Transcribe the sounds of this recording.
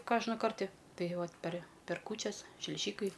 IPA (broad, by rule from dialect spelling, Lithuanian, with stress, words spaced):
ˈkoːʒnɐ ˈkɐrʲtʲɪ ˈtɐɪ ˈʋɐt pʲɛrʲ pʲɛr ˈkuːt͡ʃʲɛs ʃʲlʲɪˈʒʲiːkɐɪ